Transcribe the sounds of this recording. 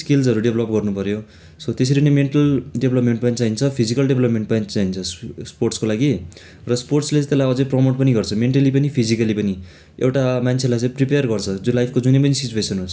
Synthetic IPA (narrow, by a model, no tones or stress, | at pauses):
skild͡zʌɾuɖebʱlʌp̚ɡʌrnupʌɾjo | sʌt̪es̬ʌɾinemeɳʈʌlɖebʱlʌpmeɳʈpʌnit͡saɦint͡sʰʌpʰid͡zikʌlɖeblʌpmeɳʈ̚pʌint͡saint͡sʰʌssporʈskolaɡi | rʌsporʈslẽt̪elajʌd͡zʌjprʌmoʈ̚pʌniɡʌrt͡sʰʌmeɳʈʌlipʌnipʰid͡zikʌlipʌni | ewʈamant͡sʰelajt͡sãj̃pripejʌrɡʌrt͡sʰʌd͡zolajpʰkod͡zunepʌnisit͡ɕuesʌnɦons